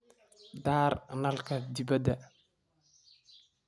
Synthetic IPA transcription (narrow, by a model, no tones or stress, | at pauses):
d̪aːɾnalkadibad̪a